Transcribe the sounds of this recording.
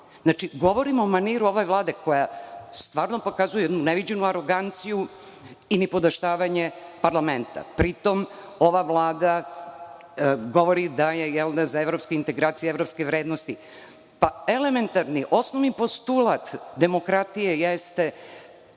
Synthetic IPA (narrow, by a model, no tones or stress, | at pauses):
znat͡ʃiɡo̞ʋo̞ɾimomaniɾuo̞ʋeʋlˠaːd̪e̞ko̞jast̪ʋaːɾno̞po̞kazujeed̪nuneʋid͡ʑenuaɾo̞ɡant̪siju | inipod̪aʃt̪aːʋaɲepaɾlˠament̪a̰pɾit̪o̞m | o̞ʋaʋlˠaːd̪a | ɡo̞ʋo̞ɾid̪ajejɛld̪azaeʋɾo̞pskeint̪e̞ɡɾaːt̪sijeevɾo̞pskeʋɾeːd̪nost̪i | paele̞me̞nt̪aɾniʔo̞snoʋnipo̞st̪ulˠat̪d̪e̞mo̞kɾat̪ijejest̪e